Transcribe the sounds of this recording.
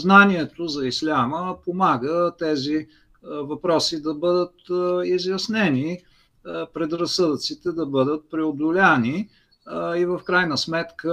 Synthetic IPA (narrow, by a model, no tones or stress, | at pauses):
znaniɛt̪ozɐislʲaməpomaɡət̪ɛzi | vɐpɾɔsid̪ɐbɤd̪ət̪izjɐsnɛni | pɾɛd̪ɾɐsɤd̪ət̪sit̪ɛd̪ɐbɤd̪ət̪̚pɾɛod̪olʲani | ivəfkɾajnəsmɛt̪kə